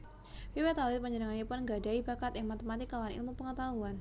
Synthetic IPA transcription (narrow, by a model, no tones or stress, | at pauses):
wiwɛt̪alɪt̪̚məɲəɾaŋanipʊnŋɡadaibakat̪jaŋmat̪əmat̪ɪkːalaanḭlmupəŋət̪aɦuan